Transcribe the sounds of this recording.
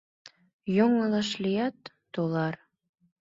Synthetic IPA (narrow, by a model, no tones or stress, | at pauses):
joŋɤlɤ̆ʃlijæt̪ːolɑr